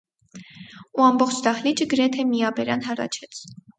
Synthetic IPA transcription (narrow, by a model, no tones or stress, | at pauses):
uɑmbɔχt͡ʃʰd̪ɑχlid͡ʒəɡəɾɛt̪ʰɛmiɑbɛɾɑnɦɑrɑ̰t͡ʃʰɛt͡sʰ